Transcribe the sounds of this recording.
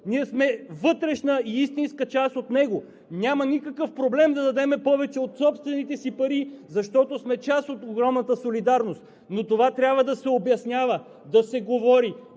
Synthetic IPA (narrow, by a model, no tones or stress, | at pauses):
niɛsmɛvɤt̪ɾɛʃnəiist̪inskət͡ʃast̪ot̪nɛɡo | nʲamɐnikəkəfpɾoblɛmd̪ɐd̪ɐd̪ɛmɛpɔvɛt͡ʃɛot̪sɔpst̪vɛnit̪ɛsipɐɾizɐʃt̪ɔt̪osmɛt͡ʃasot̪oɡɾɔmnɐt̪əsolid̪aɾnost̪ | not̪ovat̪ɾʲabvəd̪ɐsɛobjɐsnʲjavə | d̪ɐsɛɡovɔɾi